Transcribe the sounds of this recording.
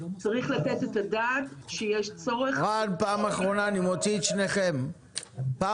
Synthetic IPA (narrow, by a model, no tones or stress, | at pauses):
t͡saʁiχlatetetadaːtʃejeʃt͡so̞ʁeχadpaːmaχʁo̞naːnimot͡sit̪ʃneχem | pa